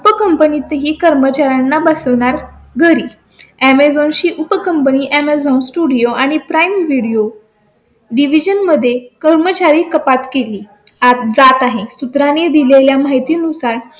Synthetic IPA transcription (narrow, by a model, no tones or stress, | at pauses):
upəkəmpənit̪əɦiːkəɾmət͡ɕaɾjanːabəsəʋɳ̃aɾɡʱəɾiː | æmed͡zɔ̃nɕiːʔupəkəmpəniːʔæmed͡zɔ̃nsʈuɽijoaɽ̃ipɾajmʋiɽijo | ɖiʋid͡ʑənməd̪ʱːjekəɾmət͡ɕaɾiːkəpat̪keliː | at̪d͡zat̪aɦesut̪ɾaned̪ileljamajt̪iːnusaɾ